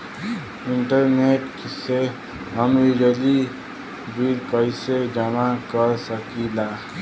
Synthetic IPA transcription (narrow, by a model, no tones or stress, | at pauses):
iɳʈʌɾneʈkse | ɦʌmiɾeli | bilkʌjsed͡ʒʌmakʌɾsʌkila